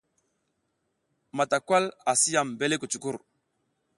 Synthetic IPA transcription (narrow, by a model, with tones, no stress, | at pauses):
ma˨ta˨kwa˦la˨si˦ja˨mbe˦le˦ku˨t͡ʃu˨ku˦˨ɾ